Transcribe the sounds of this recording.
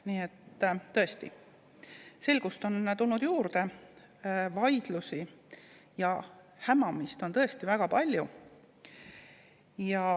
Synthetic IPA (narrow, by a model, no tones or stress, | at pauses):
niːe̞t̪ːˑt̪ɤe̞st̪ḭ | se̞lɡ̥ust̪o̞nt̪ulnud̪̥juːɾd̪e̞ | vɑjd̪̥lusi | jɑ | hæmɑmist̪ont̪ɤ̞e̞st̪ivæɡ̥ɑpɑlʲju | jɑ